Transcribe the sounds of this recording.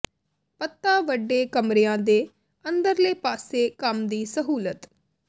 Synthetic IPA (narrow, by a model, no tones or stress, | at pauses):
pət̪ːãːʋəɖːeːkəmɾeːãːd̪eː | ənd̪əɾləːpaːseːkəmd̪iːsəɦuːlət̪